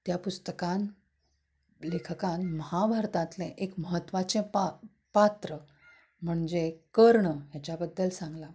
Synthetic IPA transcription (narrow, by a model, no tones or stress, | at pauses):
t̪japust̪əkãn | lekʰəkãnməɦabʱaɾt̪ãt̪lẽʔekməɦət̪ːʋat͡sẽpa | pat̪ɾə | m̤əɳd͡zekəɾɳəɦjat͡ɕjabəd̪ːəlsãŋɡla